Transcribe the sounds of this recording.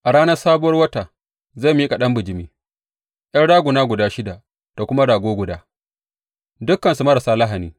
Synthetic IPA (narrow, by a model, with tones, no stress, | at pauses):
ʔa˨ɽaː˦nɐ˦rsaː˦bʊ˦wɐ˦rwɐ˦taː˨ | za˦˨mi˦kʼa˨ɗɐ˦mbʊ˨d͡ʒɪ˨miː˦ | jɐ˦rɽaː˦ɡʷʊ˨naː˦ɡʷʊ˨daː˦ʃɪ˦da˨ʔ | d̥a˨kʷʊ˦ma˦ɽaː˨ɡʷoː˦ɡʷʊ˨daː˦ | dʊ˦kːɐ˨nsu˨mɐ˦ɾa˨saː˦lɐ˦ɦa˨niː˦